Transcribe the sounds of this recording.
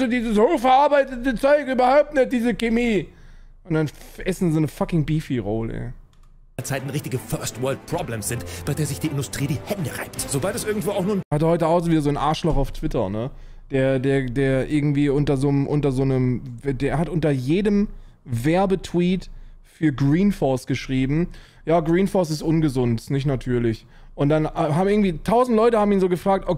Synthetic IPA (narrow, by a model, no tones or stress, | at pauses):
zodiːzəshoːχfɐʔaɐbaɪtətət͡sɔʏkyːbɐhaʊp̚tnɛt̚d̥iːzəkemiː | ʔʊntd̥anʔɛsn̩zoːnəfakɪŋbiːfiʁoːl̰ | lt͡saɪtn̩ʁɪçtɪɡəfœɐstvɜːlt̚pʰʁ̥ɔblɛmsz̥ɪntb̥aɪdeːɐzɪçd̥iːʔɪndʊstʁ̥iːdiːhɛndəʁa̰ɪp̚tz̥obaltɛsʔɪɐɡŋ̩tv̥oːaʊxnuɐnhat̬əhɔʏtəaʊxzoviːdɐzoːnʔaɐʃlɔχaʊftv̥ɪtɐ̰nə | d̥eːɐdeːɐdeːɐʔɪɐɡŋ̩tv̥iːʔʊntɐzoːmʔʊntɐzoːnəmvdeːɐɦatʔʊntɐjeːdəm | vɛɐbətʰw̥iːt | fyːɐɡʁiːnfɔɐstɡ̥əʃʁ̥iːbm̩ | jaːɡʁiːnfɔɐs̬ɪstʔʊnɡəzʊntsnɪçtnatʰyːɐlɪç | ʔʊnt̚d̥anːɦaːbmɪɡŋ̩tv̥iːtʰaʊzn̩tlɔʏtəhaːbm̩iːnzoːɡəfʁ̥aːk̚tʔo